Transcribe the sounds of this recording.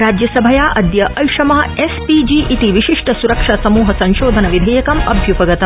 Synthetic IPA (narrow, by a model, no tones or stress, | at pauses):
ɾaːd͡ʒjɐsɐbʱɐjaːʔɐd̪jɐʔɐjʂɐmaːespid͡ʒiːʔit̪iʋiʃiʂʈɐsuɾɐkʂaːsɐmuːɦɐsɐ̃nʃoːd̪ʱɐnɐʋid̪ʱɐjɐkɐmɐ̰bʱjupɐɡɐt̪ɐ